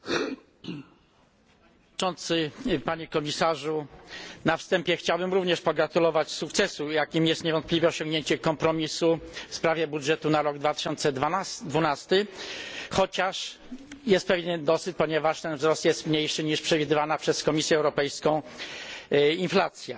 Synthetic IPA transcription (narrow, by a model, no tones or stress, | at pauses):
ɔnt̪sɘpaɲɛkɔmʲisaʐunafst̪ɛmpʲjɛxt͡ɕawbɘmɾuvɲɛʂpɔɡɾat̪ulɔvat͡ɕsukt̪sɛsujakʲimjɛst̪ɲɛvɔ̃nt̪̚plʲivjɛɔɕɔ̃ŋɡɲeɲt͡ɕɛkɔmpɾɔmʲisufspɾavʲjɛbudʐɛt̪unaɾɔɡd̪vat̪ɘ̥ɕɔnt̪sɛd̪vunast̪ɘ | xɔt͡ɕaʂ | jɛst̪̚pɛvʲjɲɛd̪ɔsɘt̪̚pɔɲɛvaʂt̪ɛnvzɾɔst̪jɛst̪mɲejʂɘɲiʂpʂɛvʲid̪ɘvanapʂɛskɔmʲisʲjɛːwɾɔpɛjskɔ̃w̃ | inflat̪sʲjɛ